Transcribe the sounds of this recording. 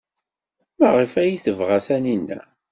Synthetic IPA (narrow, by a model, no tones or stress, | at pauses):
mæʁəfæjiθəvʁaθæninːæ̰